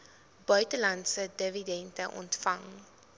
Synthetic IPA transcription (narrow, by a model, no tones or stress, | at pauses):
b̥œɥtəlɐntsədəvidɛntəʔɔ̰ntfɐŋ